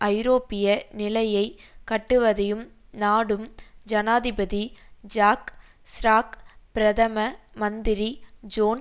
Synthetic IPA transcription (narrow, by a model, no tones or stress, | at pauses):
ʔɐɪɾoːpːɪjɐnɪlɐjɐɪkɐʈːɯʋɐðɐjɯm | naːɽɯmd͡ʒɐnaːðɪbɐðid͡ʒaːk | sɾaːkpɪɾɐðɐmɐmɐnd̪ɪɾid͡ʒoːn